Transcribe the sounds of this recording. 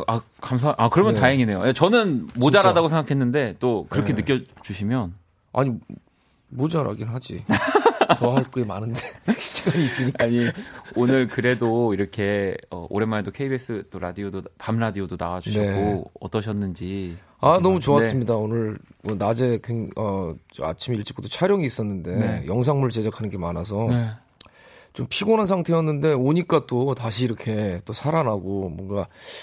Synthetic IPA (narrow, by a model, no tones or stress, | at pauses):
a | kams̬ʰaʔakɯɾʌmjʌntaɦeŋine̞joat͡ɕʌnɯnmod͡ʑaɾadaɡosʰe̞ŋɡakʰe̞nːɯnde̞t͈okɯɾʌkʰe̞nɯkk͈jʌt͡ɕuɕʰimjʌn | a̰ɲi | mod͡ʑaɾa̰ɡinɦad͡ʑḭ | toaɦaɭk͈ɯemanɯnde̞ɕʰiɡaɲiːs͈ɯɲik͈aɲionɯɭkɯɾe̞doiɾʌkʰe̞ʌ̰ʔo̰ɾe̞maɾedokʰe̞ibes͈ɯt͈oɾadiodopamɾadiodonawad͡ʑone̞k͈oʌ̰t͈ʌɕʰʌnːɯnd͡ʑi | anʌmut͡ɕoas͈ɯmɲidaonɯɭʌnad͡ʑe̞keŋʌa̰t͡ɕʰimiiɭt͡ɕ͈iɡodot͡ɕʰaɾjʌŋiːs͈ʌnːɯnde̞jʌŋs̬ʰaŋmuɭt͡ɕe̞d͡ʑakʰanɯnɡe̞manas̬ʰʌ | t͡ɕompʰiɡonans̬ʰaŋtʰe̞jʌnːɯnde̞oɲik͈at͈otaɕʰiːɾʌkʰe̞t͈osʰaɾanɦaɡomwʌnɡa